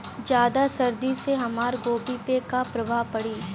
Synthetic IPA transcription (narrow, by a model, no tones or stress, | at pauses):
d͡ʒjaːd̪asɐɾd̪iseɦɐmaːɾɡoːpipekapɾɐʋaːpɐɽiː